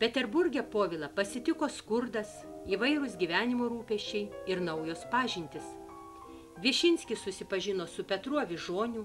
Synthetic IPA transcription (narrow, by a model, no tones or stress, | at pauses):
pʲɛt̪ʲɛɾbʊɾʲɡʲɛpoːʋʲɪlˠɐpɐsʲɪt̪ʲɪkoːskʊɾd̪ɐs | iːʋɐɪɾʊsɡʲiːʋʲæːnʲɪmoːɾuːpʲɛʃʲt͡ʃʲɛɪɪɾnɐʊjoːspɑːʒʲɪnʲt̪ʲɪs | ʋʲɪʃʲɪnʲsʲkʲɪssʊsʲɪpɐʒʲɪnoːsʊpʲɛt̪ɾuɔʋʲɪʒoːnʲʊ